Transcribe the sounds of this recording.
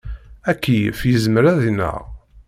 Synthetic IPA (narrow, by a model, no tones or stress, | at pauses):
ækːifjəzməɾæðinə̰ʁ